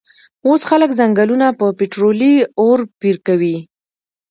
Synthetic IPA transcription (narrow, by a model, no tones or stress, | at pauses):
osxaləkzaŋɡalunapəpeʈɾolioɾpiɾkawi